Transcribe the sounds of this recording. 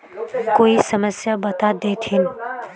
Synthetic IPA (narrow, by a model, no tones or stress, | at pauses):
koːisəməsjabɐt̪ad̪et̪ʰɪn